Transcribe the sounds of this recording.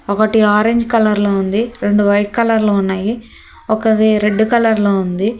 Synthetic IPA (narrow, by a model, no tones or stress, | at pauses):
ɔkɐʈiaːɾeɲd͡ʒkɐlɐɾloːund̪iɾe̞ɳɖuʋɐjʈ̚kɐlɐɾloːunːaːji | ɔkɐt̪iɾe̞ɖːukɐlɐɾloːund̪i